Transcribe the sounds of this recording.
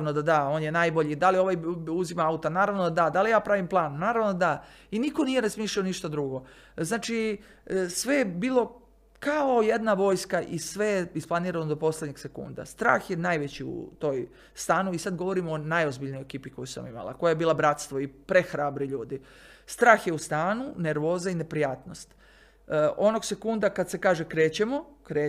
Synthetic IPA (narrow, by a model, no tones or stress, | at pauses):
nod̪ad̪ao̞ːnjenajbo̞ʎid̪alio̞ʋajuzimaaut̪anaːɾaʋnod̪ad̪ad̪alijaːpɾaʋimplˠaːnnaːɾaʋnod̪a | iniko̞nije̞ɾazmiːʃlʲaoniʃt̪ad̪ɾuɡo̞ | znaːt͡ʃi | sʋe̞jebiːlˠo̞ | kaoje̞d̪naʋo̞ːjskaʔisʋejeisplˠaniːɾanod̪o̞po̞slʲedɲeɡse̞kṵnd̪a̰st̪ɾa̰ːxjenajʋet͡ɕiṵt̪o̞j | st̪aːnuisad̪ɡoʋo̞ɾimoːnajozbiʎnojekiːpiko̞jusa̰mima̰lˠa̰ko̞jajebiːlabɾat̪st̪ʋoipɾexɾaːbɾiʎuːd̪i | st̪ɾaːxjeust̪aːnune̞ɾʋo̞ːzaine̞pɾijaːt̪no̞st̪ | o̞no̞ɡse̞kund̪akad̪se̞kaːʒekɾe̞ːt͡ɕemo | kɾe